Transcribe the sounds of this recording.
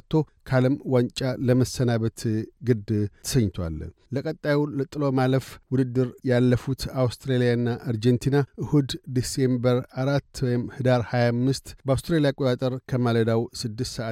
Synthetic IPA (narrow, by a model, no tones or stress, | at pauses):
t̪ʰːo̞ | kʰaləmwant͡ʃʼaləməsːənaβət̪ɡɨd̪ʰə̥səɲt̪ʰwa̰lləkʼət̪ʼːajulət̪ʼɨlo̞maləfwʊd̪ɨd̪ːɨɾjalːəfut̪awst̪ɾelijanːaʔaɾd͡ʒent̪ʰinaʔɨhud̪d̪ise̞mbəɾaɾat̪ːwɔjɪmhɨd̪aɾhajamːɨst̪bəawst̪ɾelijakʼot̪ʼat̪ʼəɾkʰəmaləd̪awsɨd̪ːɨst̪səʔa